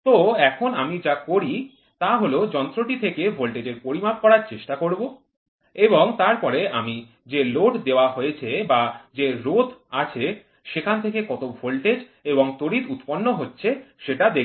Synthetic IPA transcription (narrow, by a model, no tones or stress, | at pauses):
t̪oɛkʰonamid͡ʑakoɾi | t̪aɦolod͡ʑɔnt̪ɾoʈit̪ʰekebʱolʈed͡ʑeɾpoɾimap̚kɔɾaɾt͡ɕeʃʈakoɾbo | eboŋt̪aɾpɔɾeami | d͡ʑeloʈd̪eoaɦojet͡ɕʰebad͡ʑeɾod̪ʰʱat͡ɕʰe | ʃekʰant̪ʰekekɔt̪obʱolʈed͡ʑ | eboŋt̪oɾit̪ut̪ponːoɦotːɕʰeʃeʈad̪e